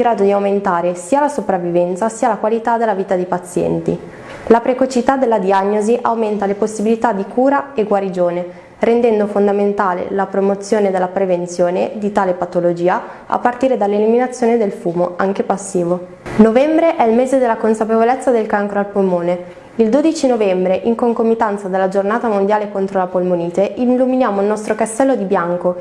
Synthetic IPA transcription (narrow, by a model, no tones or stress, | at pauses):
ɡɾaːd̪od̪iawment̪aːɾesiːalasopɾavːivɛnt̪sasiːalakwalit̪ad̪elːaviːt̪ad̪eipat̪sːjɛ̰nt̪ḭ | lapɾekot͡ʃit̪ad̪elːad̪iaɲːoziʔawment̪aleposːibilit̪ad̪ikuːɾaeɡwaɾid͡ʒoːne | ɾend̪ɛnd̪ofond̪ament̪aːlḛlapɾomot̪sːjoːned̪elːapɾevent̪sjoːned̪it̪aːlepat̪olod͡ʒiːa | a̰pːart̪iːɾed̪alːeliminat̪sːjoːned̪elfuːmoaŋk̟epasːiːvo | novɛmbɾeʔɛilmeːzed̪elːakonsapevolet̪sːad̪elkaŋkɾoalpolmoːne | ild̪oːd̪it͡ʃinovɛmbɾeʔiŋkoŋkomːit̪ant̪sad̪elːad͡ʒornaːt̪amond̪jaːlekont̪ɾolapolmoniːt̪eʔinluminjaːmoilnɔst̪ɾokast̪ɛlːod̪ibjaŋko